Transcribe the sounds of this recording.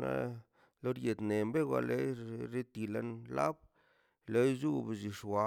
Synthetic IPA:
na̰˦ | lo˦ɾje˨d̪ne˨mbe˦ɡʷa̰˨le˦ɾe˦t̪i˨la˦nla̰˦b̚ | le˦jzu˦bzi˨ʂwa˨

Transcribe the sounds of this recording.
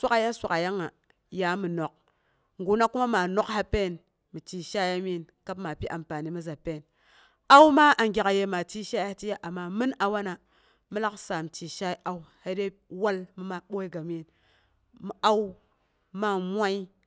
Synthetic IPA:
sʷa˦ka˨ja˦sʷa˨ka˨ja˦ŋa˨ | ja˨˦mɨ˨no˨k̚ | ŋɡu˨˦na˦ku˦ma˦ma˨no˦kha˦pe˦˨n | mi˨ti˨ʃa˦ja˦mi˦˨nka˦pma˨pi˦ʔa˨mpa˨ni˨mi˦za˨pe˦˨n | a˦wma˦ʔa˨ŋɡʲa˨ka˨je˦ma˨ti˦ʃa˦ja˦ha˦ti˦ja˦ʔa˨mːa˦mɨ˦na˨wa˦na˨ | mɨ˦la˦ksa˨m˨ti˨ʃa˦i˦ʔa˦u˦ha˦de˦ | wa˦lmɨ˦ma˨ɓo˦i˦ɡa˨mi˦˨n | mi˨a˦w | ma˦mʷ˦a˦i˦

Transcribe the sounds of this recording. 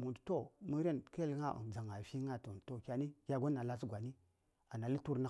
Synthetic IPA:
mu˨ndto˦mu˦ɾe˦˨nke˦lŋa˦˨ʔṵ˨n˨d͡za˨ŋa˨fi˦ŋa˦tu˨n˨to˦kʲa˨ni˦kʲa˦ɡo˦nːa˨la˦si˦ɡʷa˨ni˦ | a˨na˨li˦tu˦ɾna˦

